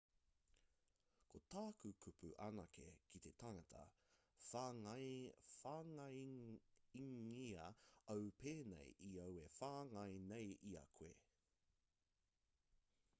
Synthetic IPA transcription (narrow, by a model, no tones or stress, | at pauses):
kʰotaːkukʰupuʔɐnɐkḛkʰit̪e̞tʰaŋɐt̪ʰɐ̰ | faːŋɐ | iŋiɐɐwpeːnḛjʔiɐwefaːŋɐjnejʔiɐ̰kʰwe